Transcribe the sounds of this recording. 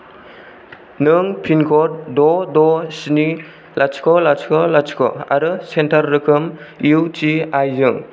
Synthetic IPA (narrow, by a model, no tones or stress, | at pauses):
nɯŋpʰinkʰɔɾ̚dɔdɔsni | lʔat͡ʃkʰɔlaskʰɔlat͡ʃkʰɔ̰a̰ɾɯsentʰaɾːɯkʰɯm | iwt͡ʃiajzɯŋ